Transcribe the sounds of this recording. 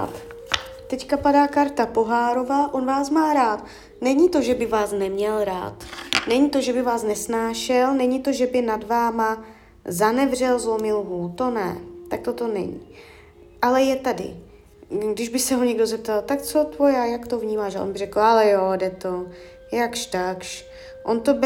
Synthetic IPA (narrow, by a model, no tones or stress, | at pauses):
t̪ | t̪ɛckapadaːkaɾt̪apo̞ɦaːɾo̞vaːʔo̞nvaːsmaːɾaːt̪ | nɛɲɪt̪o̞ʒɛbɪvaːsnɛmɲɛlɾa̰ːt̪nɛɲit̪o̞ʒɛbɪvaːsnɛsnaːʃɛlnɛɲɪt̪o̞ʒɛbɪnadvaːma | zanɛvr̝ɛlzlomɪlɦuːt̪o̞nɛ̰t̪ak̚t̪ot̪o̞nɛ̰ɲḭ | ʔalɛjɛt̪adɪ̰ | ɡdɪʒbɪsɛɦo̞ɲɛɡdozɛp̚t̪alt̪ak̚t͡sot̪vojaːjakt̪o̞vɲiːmaːʃaʔonbɪrɛkl̩alɛjodɛt̪o̞ | jakʃt̪akʃ | ʔont̪o̞b